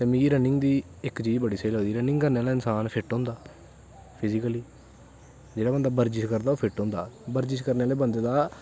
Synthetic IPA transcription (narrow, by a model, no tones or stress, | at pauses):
t̪eːmĩːiːɾənɪŋɡd̪iː | ɪkt͡ʃiːd͡ʒbəɽiːsəiːlɦoːd̪iːɾənɪ̃ŋɡkəɾneːaːlaːɪnsaːnpʰɪʈɦõːnd̪aː | pʰɪzɪkəliː | d͡ʒeːɽaːbənd̪aːbəɾd͡ʒɪʃkəɾd̪aːoːpʰɪʈõːnd̪a̰ːbəɾd͡ʒɪʃkəɾneːaːleːbənd̪eːd̪aː